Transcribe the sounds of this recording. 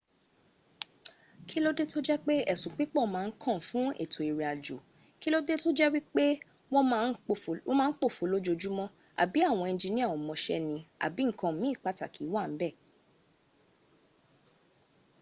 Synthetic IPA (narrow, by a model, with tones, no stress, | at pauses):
kʰi˦lo˦de˦to˦d͡ʒɛ˦k͡pe˦ɛ˦˨sũ˨k͡pi˨˦k͡pɔ˦˨˦mãː˨˦˧n̩˦kʰɔ̃˦˨fũ˨˦ḛ˦˨tʰo˨i˨ɾi˨a˨d͡ʒṵ˨ | ki˦lo˦de˦to˦d͡ʒɛ˦wi˦k͡pe˦ | w̃ɔ̃˦˧n˦˨˦mãː˦˧˦k͡po˦˨fo˨˦lo˦d͡ʒo˧d͡ʒu˦mɔ̃˦ | a̰˨bi˨˦a˦˨w̃ɔ̃˧ĩ˧˨d͡ʒi˧nĩ˦˨wɔ̃˨mɔ̃˧ʃɛ̰˦nĩ˧a̰˨bi˨˦ŋ̩˦˨kã˧˦mĩ˦˨k͡pa˨ta˨ki˨˦wa˦˨m̩˦bɛ˦˨